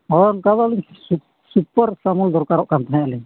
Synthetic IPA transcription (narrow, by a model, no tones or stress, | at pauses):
ɔɾɔnkad̪aliŋsu | supɔɾsamuld̪ɔɾkaɾɔʔkant̪aɦɛ̃alɛ